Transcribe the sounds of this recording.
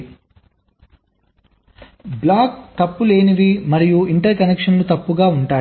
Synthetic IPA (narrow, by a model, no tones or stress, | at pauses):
blaːk̚t̪ɐpːule̞ːniʋimɐɾijuiɳʈɐɾkɐnekʂɐnlut̪ɐpːuɡaːuɳʈaː